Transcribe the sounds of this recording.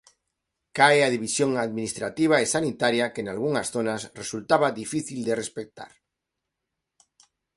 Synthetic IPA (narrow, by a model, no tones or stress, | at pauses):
kaeaðiβ̞isjoŋaðminist̪ɾat̪iβ̞aesanit̪aɾjakenalɣ̞uŋasθonasresult̪aβaðifiθild̪erespek̚t̪a̰ɾ